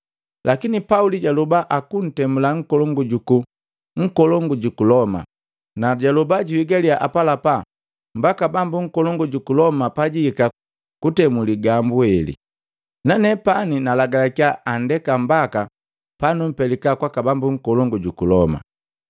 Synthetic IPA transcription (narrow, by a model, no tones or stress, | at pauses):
lʔakinipauliɟalubaʔakun̩tɛmulaŋ̩kɔlɔŋɡuɟuku | ŋ̩kɔlɔŋɡuɟukulɔma̰ | naɟalubaɟuiɡaliaʔapalapa | mbakabambuŋ̩kɔlɔŋɡuɟukulɔmapaɟiːka | kutɛmuliɡambuhɛlḭ | nanɛpaninalaɡalakiaːndɛkambaka | panum̩pɛlikakwakabambuŋ̩kɔlɔŋɡuɟukulɔma̰